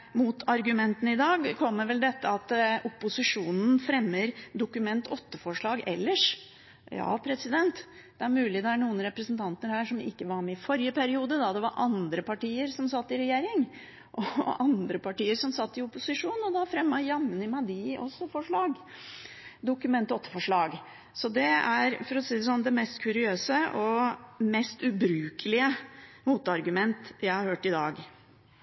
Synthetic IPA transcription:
mʊt̪ʰɑɾɡʉmɛnt̪ən̩ɪd̪ɑːɡkʰɔmːəɾʋɛld̪ɛt̪ːəɑt̪ʊpːʊsɪʂuːnn̩fɾɛmːəɾd̪ʊkʉmɛnt̪ʰɔt̪ːəfɔʂɭɑːɡɛ̰lːəʂ | jɑ̰ːpʰɾɛsɪd̪ɛnt̪ | d̪̥ɛæɾmʉːlɪd̪ɛæɳuːənɾɛpɾəsnt̪ʰɑnt̪ənəɾhæːʂɔmɪ̰kːəʋɑɾmɛɪfɔɾjəpʰæɾɪuːd̪əd̪ɑd̪ɛʋɑ̰ɾʔɑnd̪ɾəpɑʈiːəɾsɔmsɑt̪ːɪɾɛjeːɾɪŋ | ʔɔɑnd̪ɾəpʰɑʈiːəɾsɔmsɑt̪ːɪʊpːʊsɪʂuːnɔd̪ɑfɾɛmːɑjɑmːənəmæd̪ɪɔ̰sːɔfɔʂɭɑːɡ | d̪ʊkʉmɛnt̪ɔt̪ːə̥fɔʂɭɑːɡ | sɔd̪ɛæɾfɔɾɔsiːd̪ɛsɔnd̪ɛmɛst̪kʰʉɾɪøːsəʔɔmɛst̪ʉbɾʉːkʰəlɪəmuːt̪ɑɾɡʉmɛnt̪jæɪhɑɾhøːʈɪd̪ɑ̰ːɡ

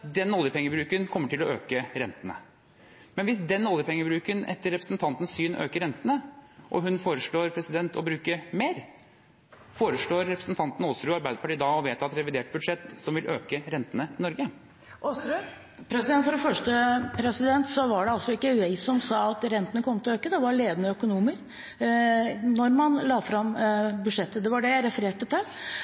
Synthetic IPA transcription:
d̪ɛnɔljəpʰɛŋːəbɾʉːkənkʰɔmːəʈʰɪlɔø̰ːkəɾɛnt̪ənə̰ | mɛnʋɪsd̪ɛnɔljəpʰɛŋːəbɾʉːkənɛ̰t̪ːəɾːɛpɾəsnt̪ʰɑnt̪n̩ssyːnø̰ːkəɾɛnt̪ənəʔɔ̰ɦʉnfoːɾəʂɭoːɾpʰɾɛsɪd̪ɛnt̪ʰɔbɾʉːkəmeːɾ | foːɾəʂɭoːɾːɛpɾəsnt̪ʰɑnt̪n̩oːsɾʉːɑɾbæɪd̪əpɑʈiːd̪ɑɔʋeːt̪ɑt̪ɾɛʋɪd̪eːʈ̚bʉd̪ʂɛt̪ːsɔmʋɪlʔøːkəɾɛnt̪ənəɪnɔɾɡə | ʔoːsɾʉ | pʰɾɛsd̪ɛnt̪fɔɖɛfœʂʈəpʰɾɛsɪd̪ɛnt̪sɔʋɑɖɛɑlsɔɪkːəʉɛɪsɔmsɑːɑt̪ɾɛnt̪ənəkʰɔmt̪ʰɪløːkəd̪ɛʋɑɾɭeːd̪ənəœkʊnuːməɾ | nɔɾmɑnlɑːfɾɑmbʉd̪ʂɛt̪ːəd̪ɛʋɑɖɛjæɪɾɛfəɾeːʈət̪ɪl

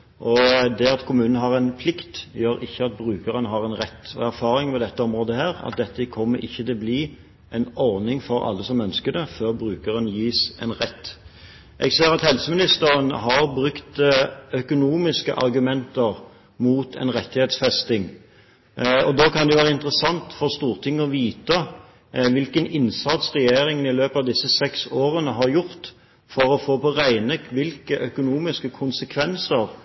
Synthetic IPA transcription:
ʔɔd̪ɛɑt̪kʰʊmʉːnnəɦɑʁɛnpʰlɪkt̪jøːɾɪçːəɑt̪̚bʁʉːkəʁənəɦɑʁɛnʁɛt̪ːɔ̰æɾfɑːɾɪŋmɛd̪ɛt̪ːəɔmʁoːd̪əhæːʁɑ̰t̪̚d̪ɛt̪ːəkʰɔmːəɾʔɪçːət̪ɪlbliː | ʔɛnɔʁnɪŋfɔɾɑ̰lːəsɔmœnskəd̪ɛføːʁbɾʉːkəʁənjiːsɛ̰nʁɛt̪ː | ʔɛɡseːɾɑt̪hɛlsəmɪnɪst̪əɾənɦɑʁbʁʉkt̪œkʊnuːmɪskə̰ʔɑ̰ʁɡʉmɛnt̪əʁ | muːt̪ʰɛ̰nʁɛt̪ːɪheːt̪sfɛst̪ɪŋ | ɔd̪okʰɑnd̪ɛjʊʋæːʁəɪnt̪əɾəsɑnt̪fɔʁst̪uːʁt̪ʰɪŋːəɔʋiːt̪ə | ʋɪlkənɪnsɑt̪sʁɛjeːɾɪŋənɪløːpɑʋd̪ɪsːəsɛksoːɾənəɦɑɾjʊʁt̪ | fɔɾɔfoːpʰɔʁæɪnəʋɪlkəʔœkʊnuːmɪskəkʰʊnsəkʰʋɛnsəɾ

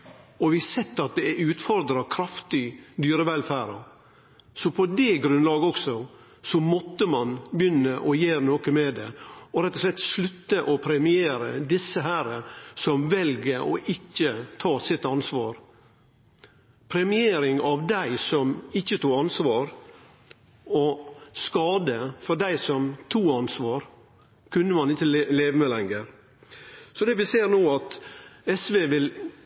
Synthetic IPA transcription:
ɔʋɪsɛt̪ːɑt̪̚d̪ɛæʉːt̪fɔɾd̪ɾɑkʰɾɑft̪ɪd̪yːɾəʋɛlfæːɾɑ | sɔpʰɔd̪ɛɡɾʉnlɑːɡəɔksɔ | sɔmɔt̪ːəmɑnbjʏnːəʔɔjeːɾnoːkəmɛd̪ɛɔɾɛt̪ːɔʂlɛt̪ʂɭʉt̪ːəʔɔpʰɾɛmɪeːɾə̰d̪ɪsːəɦæːɾəsɔmʋɛlɡəɾɔ̰ʔɪçːət̪ʰɑːsɪt̪ɑnsʋɑːɾ | pʰɾɛmɪeːɾɪŋɑʋd̪æɪsɔmɪçːət̪uːɑnsʋɑːɾ | ɔskɑːd̪əfɔɖæɪsɔmt̪ʰuːɑnsʋɑːɾ | kʰʉnːəmɑnɪçəleːʋəmeːlɛŋəɾ | sɔd̪ɛʋɪseːɾnoːɑt̪ɛsʋeːʋɪl

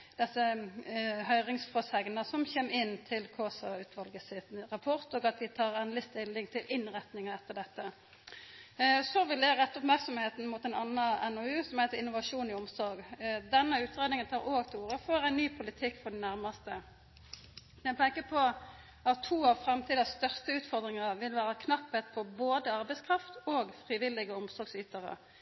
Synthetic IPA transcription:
d̪̥ɛsːə | ɦœʏʁɪŋsfɔsɛɡnəsɔmçeːmɪnːt̪ʰɪlkʰoːsɑʉːt̪ʰʋɑlɡəsɪt̪ʁɑpʰɔʁt̪oːɡɑt̪ʋ̪ɪt̪ʰɑːɾɛnd̪lɪst̪ɪlːɪŋt̪ʰɪlʔɪnʁɛt̪nɪŋəɛt̪ːəɾɖɛt̪ːə | sɔʋɪld̪æɾɛt̪ːɔpmæɾksɔmheːt̪n̩mut̪ɛɪnɑnəɛnɔʉːsɔmhɛɪt̪əɾɪnːʊʋɑʂuːnɪɔmsɔɾɡd̪ɛnːəʉːt̪ʁeːd̪nɪŋənt̪ʰɑːɾoːɡt̪ʰluːɾəfɔɾæɪnnyːpʰʊlɪt̪ʰɪkːfɔɖɛnæʁmɑst̪ə | jæpɛkːəpʰɔ | ɑt̪ʰːʋuːɑʋfɾɑmt̪ʰiːd̪ɑst̪œʁst̪əʉːt̪fɔʁd̪ʁɪŋəʁʋɪlʋæːɾəkʰnɑpːɛt̪pʰɔboːd̪əɑʁbɛɪskʰɾɑft̪oːɡfʁiʋɪlɪɡəʊmsɔɾɡsyːt̪əʁə̰

